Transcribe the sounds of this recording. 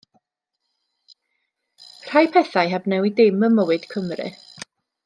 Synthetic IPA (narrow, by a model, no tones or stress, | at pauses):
r̥ajpʰɛθajɦabnɛwidɪməməwɨd̥kʰəmrɨ̰